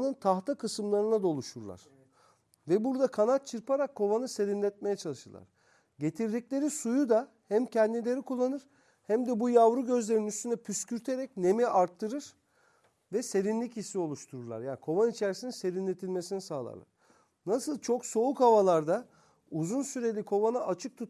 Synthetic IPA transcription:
nɯnt̪ʰaht̪ʰakʰɯsɯmlˠaɾɯnad̪o̞lˠuʃuɾlˠa̰ɾ̥ | vɛbuɾd̪akʰanat̪̚t͡ʃʰɯɾpaɾakʰːo̞vanɯse̞ɾinlʲɛt̪̚me̞jɛt͡ʃʰalˠɯʃɯɾlˠa̰ɾ̥ | ɟe̞t̪ʰiɾd̪iclʲe̞ɾisujud̪a | hæmcʰɛnd̪ilʲe̞ɾikʰulˠːanɯɾ̥ | hæmd̪ɛbujavɾuɟø̞zlʲe̞ɾinyst̪ʰynɛpʰyscʰyɾt̪ʰe̞ɾɛcne̞miaɾt̪ʰːɯɾɯɾ̥ | vɛse̞ɾinlʲicisːio̞lˠuʃt̪ʰuɾuɾlˠa̰ɾjaːnikʰo̞vanit͡ʃʰeɾisininse̞ɾinlʲet̪ʰilʲme̞sinisaːlˠa̰lˠa̰ɾ̥ | nasɯlˠt͡ʃʰo̞kso̞ukhavalˠaɾd̪a | uzunsyɾelʲikʰo̞vanaʔat͡ʃʰɯk̚t̪ʰut̪

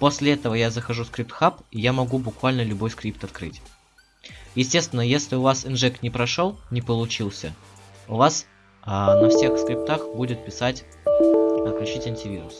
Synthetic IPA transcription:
po̞sʲlʲɪɛt̪əvəjazəxɐʐuskɾʲip̚t̪xapjamɐɡubʊkvalʲnəlʲʊbo̞jskɾʲipt̪ɐt̪kɾɨ̰tʲ | jɪsʲtʲe̞st̪vʲɪnːəjesʲtlʲɪʊvasɨnʐɛk̚t̪nʲɪpɾɐʂolˠnʲɪpəlˠʊt͡ɕilˠsʲə̰ | ʊvas | ənɐfsʲexskɾʲɪp̚t̪axbudʲɪt̪̚pʲɪsatʲ | ɐt̪̚klʲʉt͡ɕitʲɐnʲtʲɪvʲiɾʊs

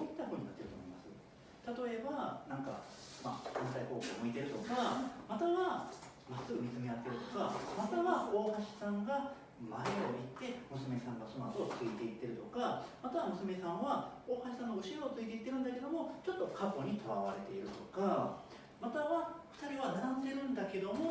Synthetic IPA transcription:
oit̪ːaɸɯːɲ̟inat̪ːe̞ɾɯ̟omoimasɨ̰ | t̪at̪o̞e̞banãŋka̰ma̰kãñsaiko̞ːkoːmoit̪e̞ɾɯ̟t̪o̞kamat̪aβa | masɨɡɯ̟mʲit͡sɨmeat̪ːe̞ɾɯ̟t̪o̞kamat̪aβao̞ːhaɕi̥sãŋɡa | maeoit̪ːe̞mɯ̟sɨme̞sãŋɡaso̞no̞at̪o̞t͡sɨit̪e̞it̪ːe̞ɾɯ̟t̪o̞kamat̪aβamɯ̟sɨme̞sãɰ̃βao̞ːhaɕi̥sãnːoɯ̟ɕiɾo̞ːt͡sɨit̪̬e̞it̪ːe̞ɾɯ̟̃nd̪ake̞d̪o̞mo̞t͡ɕo̞t̪ːo̞kʰapo̞ɲ̟it̪ʰo̞βa̰βaɾe̞t̪e̞iɾɯ̟t̪o̞ka | mat̪aβaɸɯ̥t̪aɾʲiβanaɾãnd̪e̞ɾɯ̟̃nd̪ake̞d̪omo

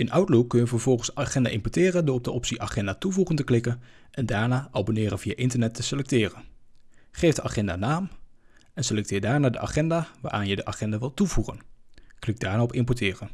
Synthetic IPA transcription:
ɪnʔʌwtlokkɵnjəvəɹvɔlˠχənsaχɛndaːʔɪmpɔɹtɪːrəndʊːɹɔb̚dəʔɔpsiʔaχɛndaːtuvuχəntəklɪkən | ʔɛndaːɹnaːʔɑbonɪːɾənvija̰ʔɪntəɹnɛtːəsəlɛk̚tɪːrən | χejvdəʔaχɛndaːnaːm | ɛnsəlɛk̚tɪːɹdaːɹnaːdəʔa̰χɛndaːʋaːɾʔaːnjədəʔaχɛndaːʋɪlˠtuvuχə̰nklɪɡ̚daːɹnaːɔpɪmpɔɹtɪːrən

